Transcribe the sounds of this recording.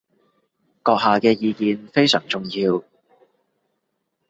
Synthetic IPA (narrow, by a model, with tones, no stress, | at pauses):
kɔː˧k̚haː˨kɛː˧jiː˨˧kiː˨nfe˥jsœː˨˩ŋt͡sʊ˨ŋjiː˧w